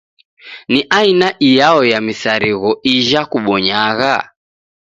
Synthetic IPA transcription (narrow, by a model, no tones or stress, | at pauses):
niʔainaʔijaɔjamisaɾiɣɔiʒakuɓɔɲaɣa